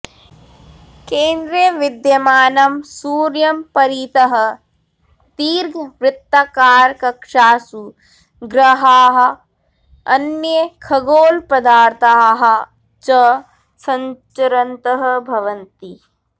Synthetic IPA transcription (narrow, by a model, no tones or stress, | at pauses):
keːnd̪ɾjəʋɪd̪jɐmaːnɐmsuːɾjɐmpɐɾiːt̪ɐɦɐ̆ | t̪iːɾɡʱʋɾɪt̪ːakaːɾkɐkʂaːsu | ɡɾɐɦaːɦɐ̆ | ɐnjjɐkʰɐɡoːlpɐd̪aːɾt̪ʰaɦɐ | t͡ʃɐ | sɐɲt͡ʃɐɾɐnt̪ɐɦɐbʱɐʋɐnt̪i